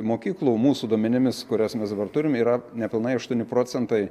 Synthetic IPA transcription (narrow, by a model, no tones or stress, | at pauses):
moːkʲiːklˠumuːsud̪uɔmʲɛnʲɪmʲɪskʊɾʲosmʲɛsd̪ɐbɐrt̪ʊɾʲɪmiːɾɐnʲɛpʲɪlˠnɐɪɐʃt̪uɔnʲɪpɾoːsʲɛnt̪ɐɪ